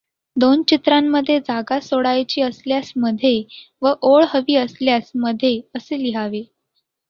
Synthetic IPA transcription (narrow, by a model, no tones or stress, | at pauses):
d̪ont͡ɕit̪ɾamːəd̪ʱːjed͡zaɡasoɽajt͡ɕiːəsljasməd̪ʱːjeʋəʔoɭɦəʋiːəsljasməd̪ʱːjeəseliɦaʋe